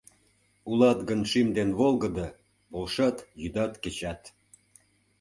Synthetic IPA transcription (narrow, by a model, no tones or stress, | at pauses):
ulɑt̪ɡənʃimd̪enβolˠɣəd̪ɤ | bolʃɑt̪jyd̪ɑt̪ket͡ɕɑt̪